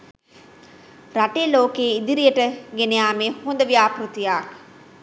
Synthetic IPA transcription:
ɾaʈeːloːkeːid̪iɾijəʈəɡenejaːmeːhond̪əʋijaːpɾut̪ijaːk

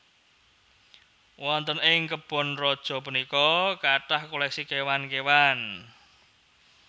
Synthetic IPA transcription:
wɔnt̪ənɪŋkəb̥ɔ̤nrɔd̥ʒ̥ɔ̤punikɔkaʈahkolɛk̚sikewankewan

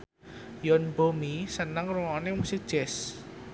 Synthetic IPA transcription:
jɔnbomisənaŋruŋɔnemusɪk̚d̥ʒ̥ɛs

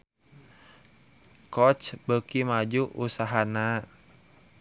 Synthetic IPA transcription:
kɔt͡ʃbəkimad͡ʒuʔusaɦana

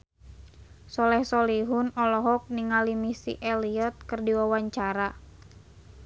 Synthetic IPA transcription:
sɔlɛhsɔliɦunɔlɔɦɔk̚niŋalimisḭʔɛliɔt̪̚kɨrdiwawaɲt͡ʃaɾa

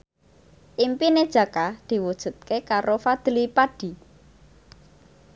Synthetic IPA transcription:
ʔimpined̥ʒ̥ä̤kad̪̥i̤wud̥ʒ̥ṳt̪̚kekaɾʔofad̪̥əlipaɖ̥i

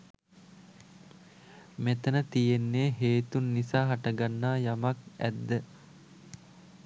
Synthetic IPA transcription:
met̪ənət̪ijenːeːɦeːt̪unːisaːɦaʈaɡanːaːjamak̚æ̰d̪ːə

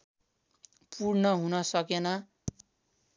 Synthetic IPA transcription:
pʰurnʌɦunʌsʌkenʌ

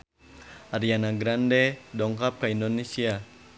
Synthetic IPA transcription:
aɾianaɡɾandɛdɔŋkap̚kaindonesia

